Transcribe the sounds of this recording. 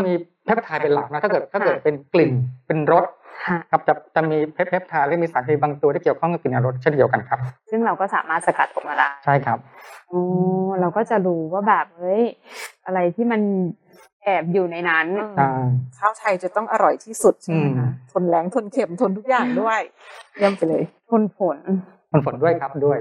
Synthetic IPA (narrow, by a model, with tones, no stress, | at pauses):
a˥˩miː˧ | pʰe˦˥p̚t̪ʰaː˧jpe˧nla˨˩k̚nɔ˦˥aː˥˩kːɤ˨˩t̪ʰːaː˥˩kɤː˨˩t̪̚pe˧nkli˨˩npe˧nɾo˦˥t̪̚kʰa˥˩kʰa˦˥p̚t͡ɕa˨˩t͡ɕa˨˩miː˧pʰe˦˥pʰːe˦˥p̚t̪ʰaː˧jla˦˥˩miː˧saː˩˦nt̪ʰiː˧˩baː˧ŋt̪u˧aː˥˩ki˨˩əwkʰɔ˥˩ŋkːa˥˩kli˨˩nʔa˨˩ɾo˦˥t̪̚t͡ɕʰe˥˩ndi˧əwka˧nkʰa˦˥p̚sɯ˥˩ŋɾa˧wkɔː˥˩sa̰ː˩˦maː˥˩sa˧ka̰˨˩t̪̚ʔɔ˨˩k̚maː˧laː˦˥t͡ɕʰa˥˩jkʰɾa˦˥p̚ʔɔː˧˦ɾa˧wkɔː˥˩t͡ɕa˨˩ɾuː˧˥waː˥˩bɛː˨˩p̚ʔɤ˦˥jʔa˧ɾa˧jt̪ʰiː˥˩ma˧n | ʔɛː˨˩p̚juː˨˩na˧jna˦˥na˧˩kʰaː˥˩wt̪ʰa˧jt͡ɕa˨˩t̪ɔ˥˩ŋʔa˧ɾɔ˨˩jt̪ʰiː˥˩su˨˩t̪̚t͡ɕʰɯːm˧˩˦t̪ʰo˧nlɛː˨˦ŋt̪ʰo˧nkʰe˨˩mt̪ʰo˧nt̪ʰu˦˥k̚jaː˨˩ŋdu˥˩əjja˧mpa˨˩jlɤː˧jt̪ʰo˧npʰo˨˩˦nt̪ʰo˧npʰo˩˦ndu˥˩əjkʰa˦˥p̚du˥˩əj